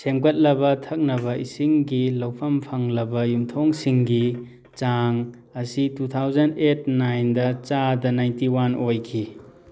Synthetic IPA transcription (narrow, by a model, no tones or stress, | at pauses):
seŋbɐt̚lɐbɐtʰɐk̚nɐβɐisiŋɡilɐwpʰɐmpʰaŋlɐbɐjumtʰoŋsiŋɡi | t͡ʃaŋ | ɐsitut̪ʰawzɐnet̚najndɐt͡ʃadɐnajntiwanʔojkʰi